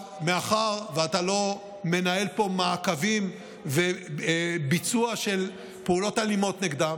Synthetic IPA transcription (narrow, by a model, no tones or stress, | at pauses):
meaχaʁveatalo̞ | me̞nae̞lpo̞makavim | ve | bit͡suaʃe̞l | peulo̞talimo̞tneɡd̪am